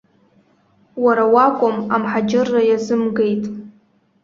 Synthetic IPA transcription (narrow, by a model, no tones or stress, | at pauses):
waɾawakʷʼʊmamħad͡ʒɪrːajazɨmɡejtʼ